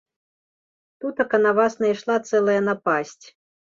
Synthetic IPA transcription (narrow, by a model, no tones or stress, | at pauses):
t̪ut̪ɐkɐnavasnɐjʂlˠat̪sɛlˠɐjɐnapasʲt͡sʲ